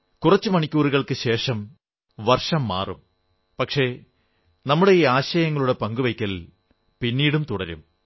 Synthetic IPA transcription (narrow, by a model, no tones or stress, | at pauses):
kurɐt͡ɕːɨmɐɳikʲːuːɾuɣɐɭkɨɕeːʂɐm | ʋɐrʂɐmːa̰ːrum | pɐkʂe̞ | nɐmːuɽe̞iːaːɕɐjɐŋːɐɭuɽe̞pɐŋɡuʋɐjkʲːɐl | pinːiːɽumt̪uɽɐɾṵm